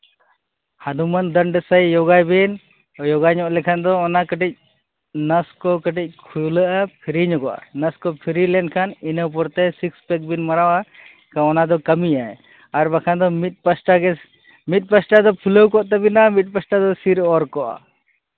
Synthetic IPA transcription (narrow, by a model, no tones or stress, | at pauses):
had̪umand̪əɳɖəsajjɔɡajbin | jɔɡajɲɔʔlɛkʰand̪ɔːnakəʈic̚ | nəskɔkəʈic̚kʰuləʔapʰiɾiɲɔɡɔʔa̰nəskɔpʰiɾilɛnkʰaninəwp̬ɔɾt̪ɛsikspɛk̚binmaɾawa | kaɔnad̪ɔkəmija | aɾbakʰand̪ɔmit̪̚pəsʈaɡɛ | mit̪̚ˀpəsʈad̪ɔpʰuləwkɔʔt̪ɛbinamit̪̚ˀpəsʈad̪ɔsiɾɔɾkɔʔa̰